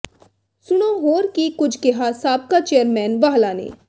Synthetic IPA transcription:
sʊɽ̃oɦoːɾkikʊd͡ʒʰkeɦasaːb̚kat͡ʃejəɾmɛːnʋaːɦlaːnḛː

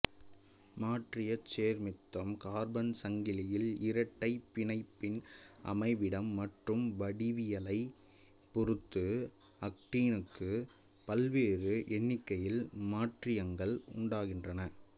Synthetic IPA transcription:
maːʈrɪjɐt͡ʃːeːɾmɪt̪ːɐmkaːɾbɐnsɐŋɡɪlɪjɪlɪɾɐʈːɐɪpːɪnɐɪpːɪnʔɐ̰mɐɪʋɪɽɐmːɐʈrɯmʋɐɽɪʋɪjɐlɐɪ | pɔrɯt̪ːɯɐk̚ʈiːnɯkːɯ | pɐlʋeːrɯʔɛnːɪkːɐjɪlmaːʈrɪjɐŋɡɐɭʊ̰ɳɖaːɣɪndrɐnɐ

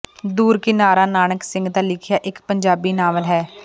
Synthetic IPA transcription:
d̪uːɾkɪnaːɾaːnaːnəksɪ̃ŋɡd̪aːlɪkʰjaːʔɪkpəɲd͡ʒaːbiːnaːʋəlɦɛː

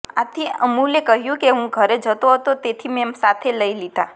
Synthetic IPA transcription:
a̰t̪ʰiəmulekəɦjũkeɦũɡʱəɾed͡ʒət̪oɦət̪ot̪et̪ʰimemsat̪ʰeləilid̪ʱa

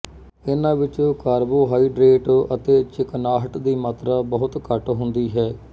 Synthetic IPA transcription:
ɪnãːʋɪt͡ʃokaːɾboːɦaːiːɖɾeːʈːət̪eːt͡ʃɪknaːɦəʈd̪iːmaːt̪ɾaːbəɦʊt̪kəʈɦʊnd̪iːɦɛː

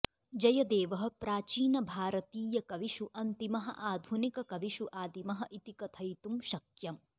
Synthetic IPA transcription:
d͡ʒɐjɐd̪eːʋɐɦɐ̆pɾaːt͡ʃiːnɐbʱaːɾɐt̪iːjɐkɐʋiʃuʔɐnt̪imɐɦɐ̰ʔaːd̪ʱunikɐkɐʋiʃuʔaːd̪imɐɦɐʔit̪ikɐt̪ʰɐjt̪umʃɐkjɐm

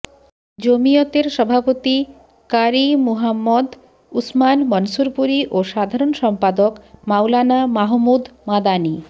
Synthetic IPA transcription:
d͡ʑomiot̪eɾʃɔbʱapot̪i | kaɾimuɦamːɔd̪ | usmanmɔnsuɾpuɾiʔoʃad̪ʱaɾonʃɔmpad̪okmawlanamaɦmud̪mad̪ani

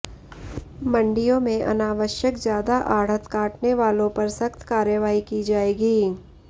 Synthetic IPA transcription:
mə̃ɳɖijõmẽʔɐ̰naːʋəʃjəkzjaːd̪aʔaːɽ̤ət̪kaːʈneʋaːlõpɐɾsɐkt̪kaːɾjəʋaːikid͡ʒaːeːɡiː

